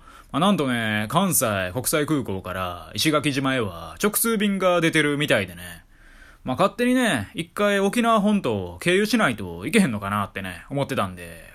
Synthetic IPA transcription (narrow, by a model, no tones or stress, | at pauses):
manãnt̪o̞ne̞kãɰ̃saiko̞kɯ̥saikɯ̟ːko̞ːkaɾa̰iɕiɡakʲiʑimaeβa̰t͡ɕo̞kɯ̟̥sɨːbʲĩŋɡad̪e̞t̪e̞ɾɯ̟mʲit̪aid̪e̞ne | makat̪ːe̞ɲ̟ine̞ikːaio̞kʲinaɦõ̞nt̪o̞ke̞ːjɯ̟ɕinait̪o̞̰ike̞ɦẽ̞nːo̞kanat̪ːe̞nḛo̞mo̞t̪ːe̞t̪ãnd̪e̞̰